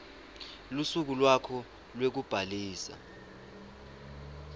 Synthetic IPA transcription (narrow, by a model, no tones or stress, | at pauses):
lusuk̬ulwakʰɔ | lwek̬ub̥ʱaliːsa̰